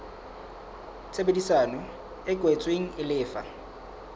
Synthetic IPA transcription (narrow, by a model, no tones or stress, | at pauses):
t͡sʰebedisaːnɔ | ɪɡʼwɛt͡sʼweŋ̩ɪlɪːfa̰